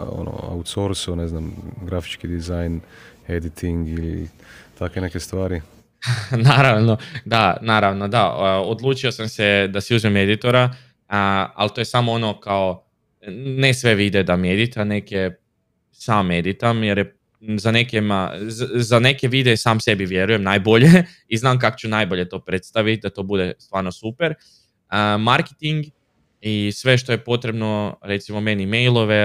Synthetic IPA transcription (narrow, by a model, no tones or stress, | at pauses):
o̰no̰a̰ut̪soɾsuneznamɡɾafi̥t͡ʃkid̪izajned̪it̪ʰiŋɡilḭ | t̪ʰakʋenekest̪ʋaːɾi | naːɾaʋno̞d̪anaːɾaʋno̞d̪aəod̪lˠuːt͡ʃio̞samse̞d̪asiuzmeme̞d̪it̪o̞ɾa | a̰lt̪oːje̞samoono̞kao | nesʋe̞ʋid̪ed̪amie̞d̪it̪ane̞kje | saːmːe̞d̪it̪amjeɾje | zane̞kema̰zane̞ke̞ʋid̪esaːmse̞biʋje̞ɾuje̞mnaːjbo̞ʎe | iznaːmk̬akot͡ɕt͡ʃunajbo̞ʎe̞t̪o̞ːpɾet̪st̪aʋit̪̚ʲd̪at̪o̞ːbud̪e̞st̪ʋaːɾno̞supeɾ | əmaɾket̪iŋɡ | isʋe̞ʃt̪o̞je̞po̞t̪ɾe̞bno̞ɾe̞t̪simo̞me̞nimejlˠo̞ʋe̞